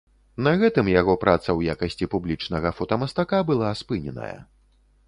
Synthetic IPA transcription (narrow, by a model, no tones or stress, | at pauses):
nɐɣɛt̪ɨmjaɣɔpɾʔat̪sɐwjakɐsʲt͡sʲipublʲit͡ʂn̪ɐɣɐfɐt̪ɐmɐst̪akabɨlˠaspɨnʲɛ̰nɐ̰jɐ̰